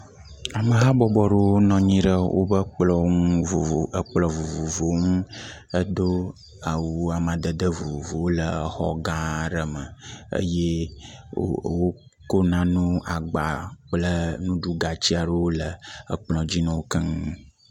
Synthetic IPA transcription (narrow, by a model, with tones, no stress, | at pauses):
a˨mə˨ɦa˦bɔ˨bɔ˨ɖe˦wo˦nɔ̃˨ɲĩ˦ɖə˦wʔo̰˦bə˦lɔ˨˦o˨ə˦k͡plɔ̃˨vo˨vo˨vo˨˦ŋũ˦ə˦d̪o˦ | a˨wu˨a˨m˨ã˨d̪ə˨d̪ə˦vo˨vvo˨wo˦lə˨˦xɔ˦ɡã˦ɖə˨mə˨ə̰˦je˦ | o̰˨wo˦ | ko˦nã˦nũ˦a˨ɡ͡ba˨k͡plə˦nũ˦ɖu˦ɡa˨t͡ɕi˦a˨ɖə˦wo˦lə˨ə˦k͡plɔ̃˨d͡ʑi˦nɔ̃˨wo˦kə˦ŋ˦